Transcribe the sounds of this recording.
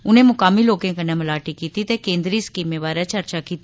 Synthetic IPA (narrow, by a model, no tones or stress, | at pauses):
ʊnẽːmʊkaːmiːloːkẽːkənːẽːməlaːʈiːkiːt̪it̪eːkẽːnd̪ɾiːskiːmẽːʋaːɾat͡ʃəɾt͡ʃaːkiːt̪i